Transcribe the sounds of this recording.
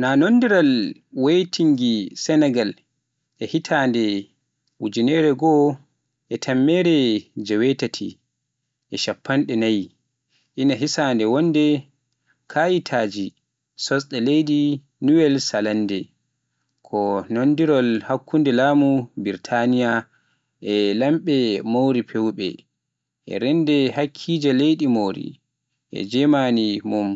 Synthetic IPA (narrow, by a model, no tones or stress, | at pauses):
nanondiɾalwejtʰiŋɡisɛnɛɡal | ʔɛhitʰandɛ | ʔud͡ʒinɛɾɛɡɔ | ʔɛtʰamːɛɾɛd͡ʒɛwɛtatʰḭ | ʔɛʃapʰːanɗɛnaj | ʔinaɦisandɛwɔndɛ | kʰajitʰaːd͡ʒi | sɔsɗɛlejdi | nuwɛlsalandɛ | kʰɔnondiɾɔlhakʰːundɛlaːmubiɾtʰanija | ʔɛlamɓɛmowɾipʰewɓɛ̰ | ʔɛ̰ɾɛndɛhakʰːid͡ʒalejɗimowɾḭ | ʔɛ̰d͡ʒɛmanimum